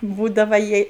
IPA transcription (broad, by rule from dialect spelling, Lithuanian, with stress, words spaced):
ˈbuːdɐʋɐ ˈjiɛj